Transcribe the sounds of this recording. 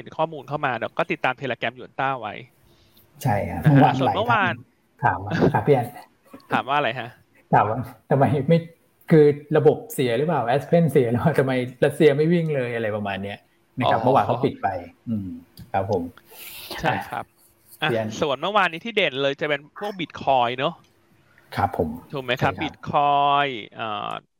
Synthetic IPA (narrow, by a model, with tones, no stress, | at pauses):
he˨˩˦nkʰɔː˥˩muː˧nkʰa˥˩wmaː˧dɛː˦˩kɔː˥˩t̪i˨˩t̪ːaː˧mt̪ʰeː˧laː˧kɛ˧mju˨˩ənt̪aː˥˩wa̰˦˥j | t͡ɕʰa˥˩jkʰa˦˥pʰa˧˩waː˧˦sa˨˦m˥˨waː˧˦˧n | t̪ʰaː˩˦ma˧a˦˥pʰːi˦˥ʔa˧n | t̪ʰaː˩˦mwaː˥˧ɾa˧jkʰa˦˥ʔ | t̪ʰaː˩˦mwa˧˩t̪ʰa˧mːa˧jma˥˩j | kʰɯː˧ɾa˧bo˨˩p̚si˧˩˦ɐɾɯ˦˥paː˨˩wʔɛː˦˥spʰe˥˩nsi˧˩ɐɾɯ˦˥aː˧˩t̪ʰa˧mːa˧jɾa˦˥t̪̚si˧ɐma˥˩jwi˥˩ŋlɤː˧jʔa˧ɾa˧jpa˧maː˧nːi˦˥ɐʔ | na˦˥a˦˥mɯ˥˩waː˧ŋkʰa˦˥˦wpi˨˩t̪̚pa˧jʔɯː˧kʰɾa˦˥pʰːo˨˩˦mt͡ɕʰaa˥˩kʰɾa̰˦˥p̚ | ʔa˧i˦˥ʔa˧nsu˨˩˦ənmɯ˥˩waː˧nːiː˦˥t̪ʰiː˥˩deː˨˩nlɤː˧jt͡ɕa˨˩pe˧npʰu˥˩ək̚bi˨˩t̪̚kʰɔː˧jnɔ˦˥ | kʰɾa˦˥pʰːo˩˦mt̪ʰuː˨˩ma˦˥jkʰa˦˥bi˨t̪̚kʰɔː˧jʔə̰ː˨˩